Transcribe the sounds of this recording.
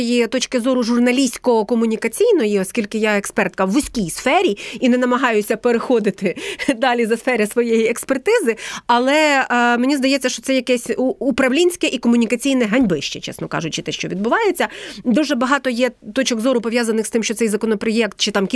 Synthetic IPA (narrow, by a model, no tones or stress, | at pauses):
jit̪ɔt͡ʃkɪzɔɾʊʒʊrnɐlʲisʲkɔɔkɔmʊnʲikɐt͡sʲijnɔjiɔskʲilʲkɪjɑɛkspɛrt̪̚kɐwːʊsʲkʲijsfɛɾʲiinɛnɐmɐɦɑjʊsʲɐpeɾɪxɔd̪ɪt̪ɪd̪ɑlʲizɐsfɛɾʲɪsʋɔjejiɛkspert̪ɪzɪɐlˠɛmenʲizd̪ɐjɛt͡sʲːɐʃt͡ʃɔ̥sɛjɐkɛsʲuːpɾɐʋlʲinʲsʲkɛʔikɔmʊnʲikɐt͡sʲijnɛɦɐnʲbɪʃt͡ʃɛ̰t͡ʃɛ̰snɔkɑ̰ʒʊt͡ʃɪt̪ɛʃt͡ʃɔʋʲid̪̚bʊʋɑjet͡sʲːɐd̪uʒɛbɐɦɑt̪ɔjɛt̪ɔt͡ʃɔɡzɔɾʊpɔʋʲjazɐnɪxst̪ɪmʃt͡ʃɔt̪ɛjzɐkɔnɔpɾɔjɛkt̪̚t͡ʃɪt̪ɑmkʲ